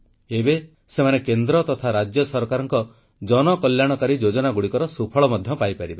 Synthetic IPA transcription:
ebe | semanekend̪ɾɔt̪ɔt̪ʰaɾad͡ʒjɔsɔɾkaɾɔŋkɔ | d͡ʒɔnɔkɔljaɽ̃ɔkaɾid͡ʒod͡ʒɔnaɡuɽikɔɾɔsupʰɔɭɔmɔd̪ʱjɔpajpaɾiba

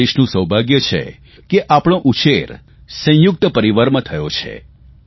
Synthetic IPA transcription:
eʃnũsəwbʱaɡjət͡ʃʰḛ | keʔapɽ̃õʔut͡ʃeɾ | sə̃jʊk̚t̪əpəɾiʋəɾmət̪ʰəjot͡ʃʰḛ

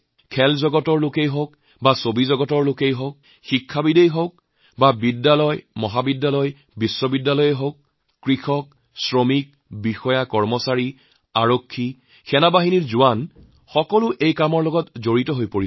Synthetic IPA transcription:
kʰɛlzɔɡɔtɔɹlokejɦok | basobizɔɡɔtɔɹlokejɦok̚ | xikʰːabidejɦok̚ | babidːalɔjmɔɦabidːalɔj | bisːɔbidːalɔjeɦok̚ː | ɹixɔk̚ | sɹɔmik̚ | bixɔjakɔɹmɔsaɹi | aɹokʰːi | xʰɛnabaɦiniɹzʊan | xɔkɔlʊʔejkamɔɹlɔɡɔtzoɹitɔɦojpoɹi

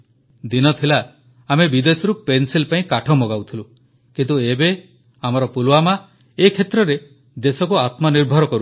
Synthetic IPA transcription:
d̪inɔt̪ʰilaː | mebid̪esɔɾupensilpaĩkaʈʰɔmɔɡawt̪ʰilu | kint̪uebe | amɔɾɔpulwama | ekʰet̪ɾɔɾe | d̪esɔkuat̪mɔniɾbʱɔɾɔkɔɾu

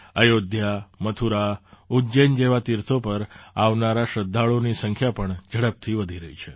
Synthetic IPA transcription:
əjod̪ʱjamət̪ʰuɾaud͡ʒend͡ʒeʋat̪iɾt̪ʰopəɾaʋnaɾaʃəd̪ʱːaɭonisəŋkʰjapəɳd͡ʒʱəɽəp̚t̪ʰiʋəd̪ʱiɾəɦit͡ʃʰe

